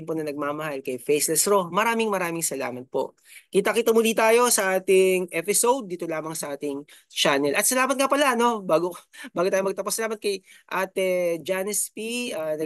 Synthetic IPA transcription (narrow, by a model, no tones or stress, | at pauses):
mponɐnɐɡ̚maːmɐhɐlkɐjfejslɛsɾo̞mɐɾaːmɪŋmɐɾaːmɪŋsɐla̰ːmɐt̪̚po̞̰ʔ | kit̪ɐkiːt̪ɐmʊliːt̪aːjo̞sɐʔaːt̪ɪŋʔɛpɪsowd̪̚ːiːt̪olaːmɐŋsɐʔaːt̪ɪŋ | t͡ʃaːnɛlʔɐt̪̚sɐlaːmɐt̪̚kɐpɐlaɐno̞baːɡobaːɡot̪aːjomɐɡ̚t̪ɐposɐlaːmɐt̪̚kɐjʔat̪ɛd͡ʒanɛspiʔaːnɐ